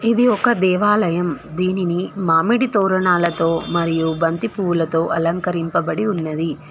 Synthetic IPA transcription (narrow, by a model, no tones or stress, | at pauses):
id̪iɔkɐd̪ɛːʋaːlɐjɐmd̪iːninimaːmiɽit̪ɔːɾɐɳaːlɐt̪o̞ːmɐɾijubɐnt̪ipuwulɐt̪o̞ːʔɐlɐŋkɐɾimpɐbɐɽiunːɐd̪i